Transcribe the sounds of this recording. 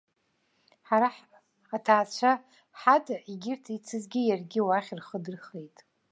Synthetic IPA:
ħaɾaħ | atʰaːt͡ɕʷʰa | ħatʰʼaiɡʲɪrtʰit͡sʰɨzɡʲɪjarɡʲɪwaχʲrχədɨrχejtʼ

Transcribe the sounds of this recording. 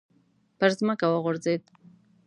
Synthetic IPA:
pəɾzməkawəɣʊɾzed̪̚

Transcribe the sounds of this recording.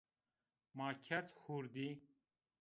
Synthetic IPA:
maːkʰɐɾt̪huɾd̪i

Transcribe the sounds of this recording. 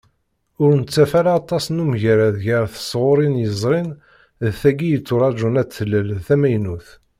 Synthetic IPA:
ʊɾnət͡sːæfæɾaɑt̪ˤːɑsnumʝəɾæðʝəɾθə̥sˤʁʊɾˤinjəzˤɾˤin | ðθæɡijət͡sːʊɾˤɑd͡ʒunæt͡sːəlːəlθæmæjnuθ

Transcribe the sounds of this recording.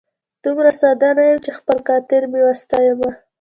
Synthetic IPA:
d̪̥umɾasɑd̪ɑnajəmt͡ʃexpəlkɑt̪ɪɾmewast̪ɑjəma

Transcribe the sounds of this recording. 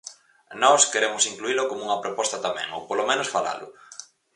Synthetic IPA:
nɔskeɾemʊsiŋkluilʊkomuŋɐpɾopɔst̪ɐt̪amɛ̰̃ŋo̰polomẽnʊsfala̰lʊ̰

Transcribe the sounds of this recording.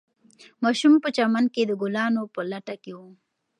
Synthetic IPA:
mɑːʃumpət͡ʃamanked̪əɡʊlɑːnopəlaʈakewo

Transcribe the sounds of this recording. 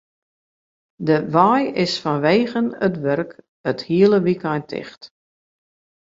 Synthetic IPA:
dəʋaːjɪsfɔnʋeːɣənətʋørk | əthiəlˠəʋikajntʰɪ̰xt

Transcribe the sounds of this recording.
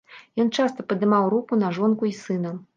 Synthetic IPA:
jɔnt͡ʂast̪ɐpɐd̪ɨmawɾukunɐʐɔnkuisɨnɐ

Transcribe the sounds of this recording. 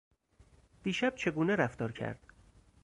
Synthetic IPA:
d̪̥iːʃæb̥̚t͡ʃʰe̞ɡuːneɾæft̪ɒːɾcʰæ̰ɾd̪̥

